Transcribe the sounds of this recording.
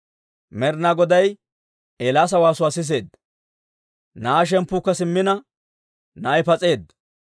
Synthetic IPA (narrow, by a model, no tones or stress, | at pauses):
mɛɾnaɡɔd̪ɐj | ʔeːlaːs̬ɐwaːsʊwaːsɪs̬e̞ːd̪ːɐ | naːʃ̬ɛmpːuːkːɐsɪmːɪnɐ | nɐːjpɐt͡sʼe̞ːd̪ːɐ